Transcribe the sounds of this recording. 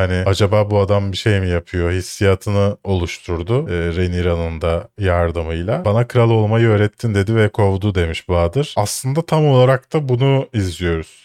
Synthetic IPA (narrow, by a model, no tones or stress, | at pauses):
anɪad͡ʒabaːbuad̪ambiʃe̞jmijapʰɯjo̞hisːijat̪ʰɯnɯo̞lˠuʃt̪ʰuɾd̪ʊːɾeniɾanɯnd̪ajaɾd̪ɯmɯjlˠabanakʰɯɾalˠo̞lˠmajɯø̞ːɾɛt̪ʰːind̪e̞d̪ivɛkʰo̞vd̪ud̪e̞miʃbaːd̪ɯɾ̥aslˠɯnd̪at̪ʰamo̞lˠaɾak̚t̪ʰabunuizlijo̞ɾuz̥